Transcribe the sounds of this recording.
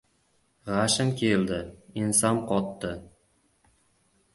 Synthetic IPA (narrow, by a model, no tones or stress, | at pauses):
ʁaʃɪmkʲʰeld̪ɪinsamqʰɒt̪ːɪ